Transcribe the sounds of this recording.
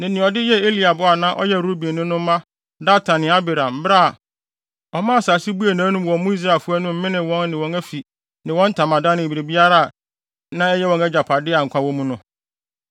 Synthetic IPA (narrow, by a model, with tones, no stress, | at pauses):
nɪ̃˨nɪ̃˨ɔ˨dɪ˦jɛ˦e˦li˨a˨bʊ˦a˨nã˦ʔɔ̰˦jɛ˦ɾo˦bi˨e˨nʊ̃˦nʊ̃˦m˦mã˦ | daː˦tʰã˨nɪ̃˨˦a˦bɛ˨ɾã˨mm̩˦bɾa˦˨ | ɔ˨mã˦˨saː˨si˦bu˦e˨nãː˨˦nũ˦mwɔ̃˨˦mʊ̃˦i˦s̬ɾa˨lfʊ˦æ˦nʊ̃˦m̩˦mɪ̃˦nɪ̃˨wɔ̃˦nːɪ̃˨wɔ̃˨næ˦fi˨ | nɪ̃˨wɔ̃˦n˦tʰã˨mã˨dã˦nɪ̃˨ɾe˨bi˦a˦ɾa˦˨ | nã˦ɛ˦jɛ˦wɔ̃˨nɛ˦d͡ʑa˨pʰa˨dɪ˦a˨ŋ̩˨kʷʰã˦wɔ̃˦mũ˦nʊ̃˦